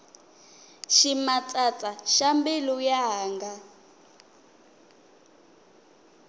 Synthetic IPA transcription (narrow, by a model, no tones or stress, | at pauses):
ʃimat͡sʼat͡sʼaʃambelujaɦaːŋɡa